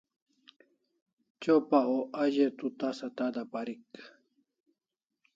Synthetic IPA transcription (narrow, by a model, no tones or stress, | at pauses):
t͡ɕopaoʔaʑet̪ut̪asat̪ad̪apaɾik